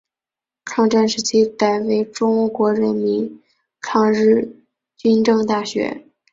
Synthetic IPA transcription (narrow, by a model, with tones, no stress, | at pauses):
kʰɑ˥˧ŋʈ͡ʂa˥˧nʂɻ̩˧˥t͡ɕʰi˥ka˨˩ɪwe˧˥ɪʈ͡ʂʊ˥ŋkwɔ˧˥ɻə˧˥nmi˧˥n | kʰɑ˥˧ŋɻɻ̩˥˩ | t͡ɕy˥nʈ͡ʂɤ˥˧ŋt̪a˥˩ɕɥɛ̰˧˥